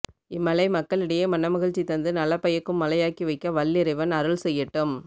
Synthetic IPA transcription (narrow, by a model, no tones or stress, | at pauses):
ɪmːɐlɐɪmɐkːɐɭɪɽɐjeːmɐnːɐmɐɣɪɻt͡ʃːit̪ɐnd̪ɯnɐlːɐpːɐjɐkːɯmːɐlɐjaːkiʋɐɪkːɐʋɐlːɪɾɪʋɐnɐɾɯɭsɛjːɐʈːɯm